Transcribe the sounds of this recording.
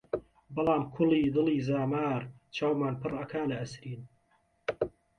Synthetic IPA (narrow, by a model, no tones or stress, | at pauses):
bɑlˠɑːmkʰʊliːd̪ɨliːzaːmaːɾt͡ʃʰaːwmaːnpɨrɐkʰaːlɐʔɐsɾiːn